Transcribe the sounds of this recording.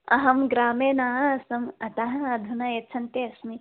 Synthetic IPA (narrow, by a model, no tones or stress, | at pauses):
ɐɦɐmɡɾaːmeːnaːɦɐɐsɐmɐt̪ɐɦɐɐd̪ʱunɐjet͡ʃʰɐnt̪eɐsmi